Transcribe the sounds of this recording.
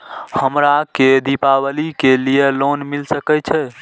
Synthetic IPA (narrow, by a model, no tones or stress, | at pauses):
həmɾaked̪ipabəlikelijelonmilsəkɛt͡ʃʰɛ